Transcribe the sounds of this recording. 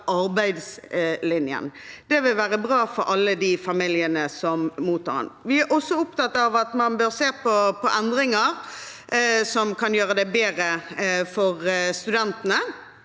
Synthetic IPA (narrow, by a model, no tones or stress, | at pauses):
ʔɑɾbæɪd̪slɪnjə̰nd̪̥ɛʋɪlʋæːʁəbʁɑːfɔɾʔɑlːəd̪iːfɑmɪljənəsɔmmuːt̪ʰːɑ̰ːɾɑ̰nʋɪæʔɔsːɔʊp̚t̪ɑt̪ːɑʋɑt̪mɑnbøːɾseːpʰɔpʰɔʔɛnd̪ʁɪŋəɾ | sɔmkɑnjøːɾəd̪ɛbeːɾəfɔʁst̪ʉd̪ɛnt̪ənə